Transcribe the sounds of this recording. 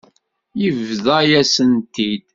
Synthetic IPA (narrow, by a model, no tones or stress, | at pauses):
jəvðajæsənt̪id̪